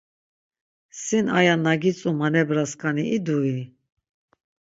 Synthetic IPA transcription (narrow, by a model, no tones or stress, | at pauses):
sinajanaɡit͡sʼumanɛbɾaskʼaniid̪ui